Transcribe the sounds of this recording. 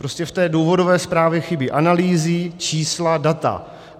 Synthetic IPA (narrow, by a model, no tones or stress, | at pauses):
pɾo̞scɛft̪ɛːduːvo̞dovɛːspɾaːvjɛxɪbiʔanaliːzɪt͡ʃiːsladat̪a̰